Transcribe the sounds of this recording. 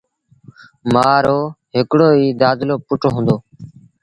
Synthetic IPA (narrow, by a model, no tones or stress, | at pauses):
maːɾoːɦɪkɽoːiːd̪aːd̪loːpʊʈʰoːɦũːnd̪oː